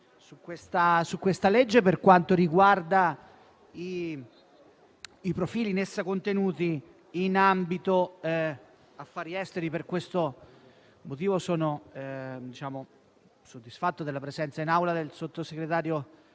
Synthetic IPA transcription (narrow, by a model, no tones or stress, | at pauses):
sukːwest̪asukːwest̪aled͡ʒːeperkwant̪oɾiɡward̪a | i | pɾofiːlinesːakont̪enuːt̪iː | nambit̪o | afːaːɾiɛst̪eɾiperkwest̪o | mot̪̬iːvosoːno | d̪it͡ʃaːmo | sod̪ːisfat̪ːod̪elapɾezɛnt̪sainawlad̪elsot̪ːoseɡɾet̪aːɾjo